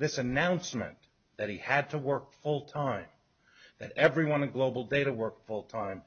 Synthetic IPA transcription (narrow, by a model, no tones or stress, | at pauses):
ðɪsɨnãʊ̃nsmɨ̰̃n | ðɨt̚hiɨd̚tʰəwɜ˞kfʊlˠtʰãɪ̃m | ðɨɾɛvɹiwʌ̃nʌ̃ɡloʊbl̩ˠdeɪɾəwɜ˞kfʊlˠtʰãɪ̃m